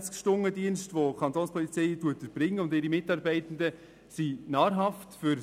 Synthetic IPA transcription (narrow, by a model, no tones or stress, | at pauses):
t͡skʃtʊŋːədiənʃtʋokʰɑntoːnspʰɔlit͡sɛɪtuətəb̥ɾɪŋːəʊndɪɾimɪtɑːɾbɛɪtən̩də | sinɑːɾɦɑftfʏɾ